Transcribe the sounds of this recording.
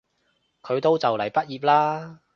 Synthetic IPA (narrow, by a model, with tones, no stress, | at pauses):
kʰɵ˨˧ɥt̪o˥wt͡sɐ˨wlɐ˨˩jpɐ˥t̚jiː˨˩p̚laː˥